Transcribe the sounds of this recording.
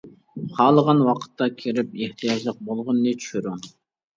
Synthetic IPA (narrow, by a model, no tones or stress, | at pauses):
χɑːlˠəʁɑnwɑqʰə̥t̪ːɑkʲʰiɾɪp̚eht̪ʰijɑd͡ʒlˠəq̚bolˠʁʊnːɨt͡ʃʰy̥ʃyɾu